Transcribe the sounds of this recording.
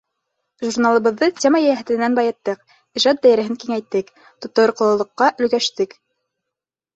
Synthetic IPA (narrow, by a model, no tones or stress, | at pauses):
ʒurnalˠɤ̆βɤ̆ðːɤtʲemɑjæjæɦæ̆t̪ɘ̆nænbɑjɤ̆t̪ːɤq | iʒɑd̪̚d̪æjɘ̆ɾɘ̆ɦɘŋkiŋæjt̪ːɘk | t̪ŏt̪ŏɾqɤ̆lˠɤ̆lˠɤ̆qːɑʔɵ̆lɡæʃt̪ɘk